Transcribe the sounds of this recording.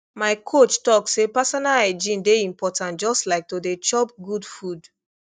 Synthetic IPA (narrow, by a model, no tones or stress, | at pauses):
maɪkʰot͡ʃtɔksepasɔnaled͡ʒĩndeĩmpɔtãntd͡ʒɔstlaɪk̚todet͡ʃɔp̚ɡudfud